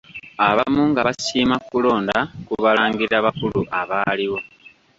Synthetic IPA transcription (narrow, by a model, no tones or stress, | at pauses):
aβamuŋɡaβasiːmakulo̞ːndakuβalaːŋɡiaβakuluʔaβaːliβo̞